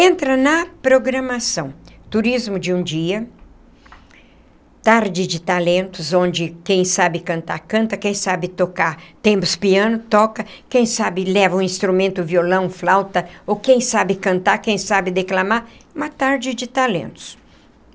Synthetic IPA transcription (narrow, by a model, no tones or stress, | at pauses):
ẽnt̪ɾɐnɐpɾoɡɾɐmasɐ̃w̃t̪uɾizmʊd͡ʒɪũd͡ʒiɐ | t̪aɾd͡ʒɪd͡ʒɪt̪alẽnt̪ʊzõnd͡ʒɪkẽj̃sabɪkɐ̃nt̪a̰ɾkɐ̃nt̪ɐkẽj̃sabɪt̪okaɾt̪ẽmpʊspiɐ̃nʊt̪ɔkɐkẽj̃sabɪlɛvɐũĩst̪ɾumẽnt̪ʊviolɐ̃w̃flawt̪ɐokẽj̃sabɪkɐ̃nt̪aɾkẽj̃sabɪd̪eklamaɾũmɐt̪aɾd͡ʒɪd͡ʒɪt̪alḛ̃nt̪ʊ̥s